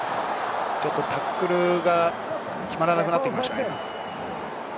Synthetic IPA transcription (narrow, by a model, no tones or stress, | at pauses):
t͡ɕo̞t̪ːo̞t̪akːɯ̟ɾɯ̟ɡa | kʲimaɾanakɯnat̪ekʲimaɕo